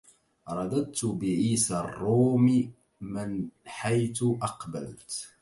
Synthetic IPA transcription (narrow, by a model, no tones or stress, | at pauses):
ɾˤɑd̪ad̪̚t̪ʊbɪʕiːsarˤːuːmi | mɪnħajθʊʔɑqbalt̪